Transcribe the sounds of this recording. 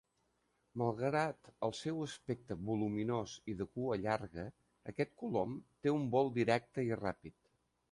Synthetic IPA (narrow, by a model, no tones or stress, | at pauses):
məlˠɣɾat̪əlˠsɛwəspek̚t̪əβuluminoziðəkuəʎaɾɣə | əkɛt̪̚kulomt̪eumbɔlˠd̪iɾɛk̚t̪əira̰pit̪